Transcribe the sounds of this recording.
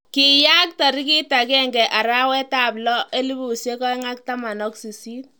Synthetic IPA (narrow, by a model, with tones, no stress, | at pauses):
ki˨ja˦k̚ta˨ɾi˦ki˦ta˨kɛ˦ŋɡɛ˨ʔa˨ɾa˦wɛ˦ta˨blɔ˦ʔe˦li˦bu˨sje˦kɔ˦i˦ŋa˦k̚ta˦ma˨nɔ˦ksi˨si˦t